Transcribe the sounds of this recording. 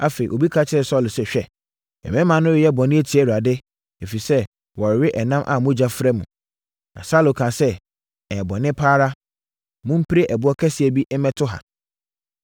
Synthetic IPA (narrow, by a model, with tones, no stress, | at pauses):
a˨fe˨i˨ʔo˨bi˦kʰa˦t͡ɕʰɪ˦ɾɛ˨sɔ˦˨lsɛ˨ɕᶣɛ˦ | ɛ̰˨mɛ̃˦mã˨˦nʊ̃˦wɪ˨jɛ˦bɔ̃˨nɪ̃˦æ˦tʰi˨ɛ˦˨u˨a˨dɪ˦ | e˨fi˨sɛ˦ | wɔ˨ɾɪ˨ɥɪ˦ʔɛ˨nã˦mʔa̰˨mʊ̃˦d͡ʑa˦fɾɛ˦mũ˨ | nã̰˨saː˦lo˨kʰã˨sɛ˦ | ɛ˨bɔ˨nɪ̃˦pʰaː˦ɾa˦ | mʊ̃˦m̩˦pʰi˦ɾe˦ʔɛ˨bʊ˦ɔ˦kʰɛ˦sɪ˨ɛ˨bi˦ʔɛ˦mɛ̃˦tʰʊ˦ɦa̰˨